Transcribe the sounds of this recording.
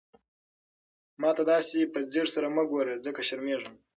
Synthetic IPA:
mɑt̪ad̪ɑsipəd͡ziʐsaɾaməɡoɾed͡zəkaʃaɾmeʐəm

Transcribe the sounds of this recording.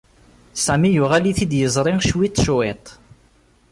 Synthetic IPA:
sæmijʊʁæliθid̪jəzˤɾˤɪŋʃwit̪ˤːʃet̪ˤ

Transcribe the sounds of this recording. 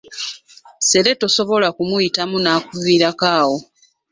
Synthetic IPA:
se̞ɾe̞to̞so̞βo̞lakumujitamunaːkuviɾakaːwo̞

